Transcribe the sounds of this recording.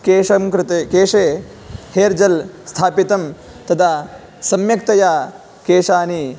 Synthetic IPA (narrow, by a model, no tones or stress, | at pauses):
keːʂɐmkɾɪt̪ekeːʂeː | heːɾd͡ʒɐlst̪ʰaːpit̪ɐm | t̪ɐt̪ʰa | sɐmjɐk̚t̪ɐjaː | keːʂaːni